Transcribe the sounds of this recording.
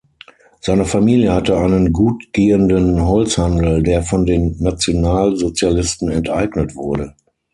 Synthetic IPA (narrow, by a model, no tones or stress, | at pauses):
z̥aɪnəfamiːljəhatəaɪnənɡuːtɡ̥eːəndənɦɔlt͡shandl̩deːɐfɔndeːnːat͡sjonaːlzot͡sjalɪstn̩ɛntʔaɪɡnətv̥ʊɐɾə